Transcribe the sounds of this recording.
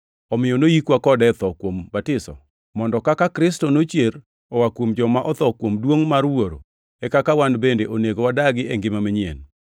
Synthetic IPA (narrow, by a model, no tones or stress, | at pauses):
ɔmɪjɔnojikwakɔdɛt̪ɔkwombatɪsɔ̰ | mɔndɔkakakɾɪstonot͡ʃjeɾ | ɔwakwomd͡ʒɔmaʔɔt̪ɔkwomdwoŋmarwoɾo̰ | ɛkakawanbendeʔoneɡowadaɡɪɛŋɡɪmamiɲjḛn